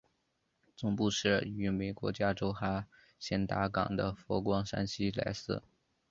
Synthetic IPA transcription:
t͡sʊ˥˩ŋpu˥˧ʂɻ̩˥˩y˧˥me˨˩ɪkwɔ̰˧˥t͡ɕja˥ʈ͡ʂo˥ʊxa˥ | ɕjɛ˥˩nt̪a˧˥kɑ̰˨˩ŋd̪ə˦fɔ˧˥kwɑ˥ŋʂa̰˥nɕi˥la̰˧˥ɪsɹ̩̰˥˩

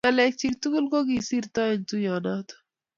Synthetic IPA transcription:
alek̚t͡ʃik̚t̪u˦ɡu˦lɡo˦ɡi˨si˦ɾt̪ɔ˦i˨nt̪u˦jɔ˨na˦t̪

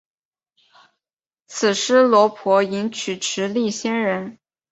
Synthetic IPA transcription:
t͡sʰɹ̩˨˩ʂɻ̩˥lwɔ˧˥pʰwɔ˧˥i˧˥nt͡ɕʰy˨˩ʈ͡ʂʰɻ̩˧˥li˥˩ɕjɛ˥nɻə˧˥n

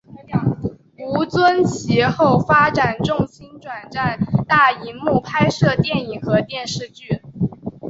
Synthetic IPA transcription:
u˧˥t͡swə˥nt͡ɕʰi˧˥xo˥˩ʊfa˥ʈ͡ʂa˨˩nʈ͡ʂʊ˥˩ŋɕi˥nʈ͡ʂwa˨˩nʈ͡ʂa˥˧nt̪a˥˩i˧˥nmu˥˩pʰa˥ɪʂɤ˥˧t̪jɛ˥˩ni˨˩ŋxɤ˧˥t̪jɛ˥˧nʂɻ̩˥˧t͡ɕy˥˩

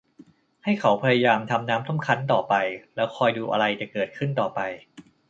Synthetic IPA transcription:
ha˥˩jkʰa˩˦wpʰa˧ja˧jaː˧mt̪ʰa˧mnaː˦˥mt̪ʰa˥˩mkʰa˦˥nt̪ɔː˨˩pa˧jlɛː˦˥wkʰɔː˧jduː˧ʔa̰˧ɾa˧jt̪ɛ˨˩kɤː˨˩t̪̚kʰɯ˥˩nt̪ɔː˨˩pa˧j

